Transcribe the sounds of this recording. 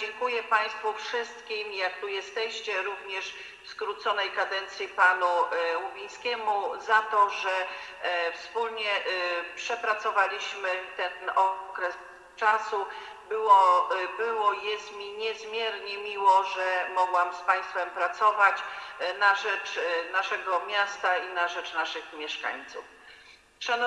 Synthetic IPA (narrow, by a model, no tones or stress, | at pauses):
d͡ʑɛŋkujɛpaj̃st̪fufʂɘst̪kʲimjakt̪ujɛst̪ɛɕt͡ɕɛɾuvɲɛʂ | fskɾut̪sɔnɛjkad̪ɛnt̪sʲjipanuwubʲij̃skʲɛmuzat̪ɔʐɛ | fspulɲɛpʂɛpɾat̪sɔvalʲiɕmɘt̪ɛnɔkɾɛs | t͡ʂasu | bɘwɔbɘwɔjɛst̪mʲiɲɛzmʲjɛɾɲɛmʲiwɔʐɛmɔɡwamspaj̃st̪fɛmpɾat̪sɔvat͡ɕnaʐɛt͡ʂnaʂɛɡɔmʲjast̪ainaʐɛt͡ʂnaʂɘxmʲjɛʂka̰ɲt̪suf | ʂan